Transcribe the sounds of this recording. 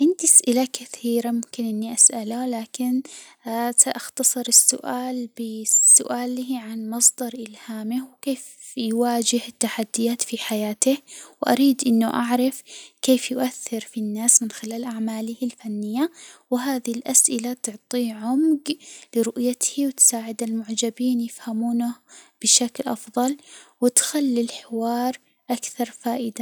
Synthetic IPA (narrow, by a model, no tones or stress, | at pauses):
ʕɪnd̪iʔasʔɪlakaθiːɾamʊmkɪnʔɪnːiʔasʔalalaːkɪn | saʔaxt̪ɑsˤɨɾɪsːʊ̰ʔaːlbɪsʊ̰ʔaːlʕanmɑsˤd̪ɑɾˤʔɪlhaːmɪhwkeːf | jwaːd͡ʒɪhɪt̪ːaħad̪ːɪjaːt̪fiħajaːt̪ɪhwʔa̰ɾiːd̪ʔɪnːʊʔaʕɾˤɑfkeːfjʊʔaθːɪɾfinːaːsmɪnxɪlaːlʔaʕmaːlɪhɪlfanːɪjːawɪɦaːðɪlʔasʔɪlat̪ʊʕt̪ˤiːʕʊmɡlɪɾʊʔjat̪hiwɪt̪saːʕɪd̪ɪlmʊʕd͡ʒabiːnjɪfhamuːnab̥ɪʃaklʔɑfðˤɑlwɪt̪xalːilħɪwɑːɾˤ | ʔakθɑɾˤfaːʔɪd̪a